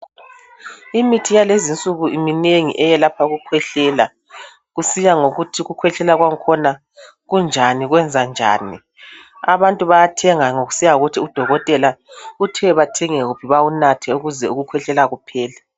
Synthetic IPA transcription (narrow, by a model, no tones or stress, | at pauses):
imitʰijalezint͡sʼuɣuʔimineŋḭʔɛjɛlapʰauɣukʰwɛɬɛla | ɣusijaŋoɣutʰiɣukʰwɛɬɛlaɣwaŋkʰɔna | ɣund͡ʒʱaniɣwɛnd͡zʱand͡ʒʱa̰ːni | a̰βantʼuβajatʰɛŋaŋoɣu̥sijauɣutʰiud̥ʱɔɣɔtʼɛlautʰɛɛβatʰɛŋɛɣupʰiβaunatʰɛuɣuzɛuɣukʰwɛɬɛlaɣupʰɛːla